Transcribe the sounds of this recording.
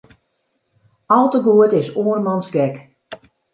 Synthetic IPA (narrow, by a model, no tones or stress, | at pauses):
ɔlˠtəɡuətɪsoərmɑnsɡɛk